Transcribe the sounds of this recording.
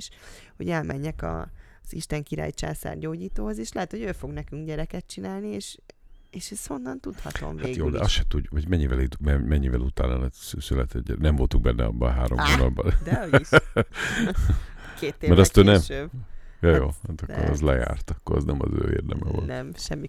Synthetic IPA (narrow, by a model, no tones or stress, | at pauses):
ʃho̞̰ɟɛlmɛɲːɛkɒ̰ | z̥ḭʃt̪ɛŋkiɾa̰ːjt͡ʃa̰ːsa̰ːrɟoːɟiːt̪oːho̞zeːʃlɛɦɛt̪ho̞ɟøːfo̞ɡnɛkyŋɡɟɛɾɛkɛt̪̚t͡ʃinaːlnieːʃeːʃɛsho̞nːɒnt̪ut̪hɒt̪o̰mvːɡ̪t̪joːd̪ɛɒsʃɛt̪uɟuvɒɟmɛɲːivɛleːt̪mɛmɛɲːivɛlut̪aːnɒlɛt̪ssylɛt̪ɛ̰ɟɟːɛnɛmɱvo̞lt̪uŋɡ̚bɛnːɛɒ̰bːɒɦaːɾomɡonɒlbɒld̪ | keːt̪ːmɛɾɒst̪ønɛmøb | jojoːhat̪ɒkoɾɛ̰zlɛja̰ːrt̪ɒkːoɾɑ̰znɛmɒ̰zø̰ːḛːrd̪ɛmɛ̰vo̰lnɛmʃɛmːi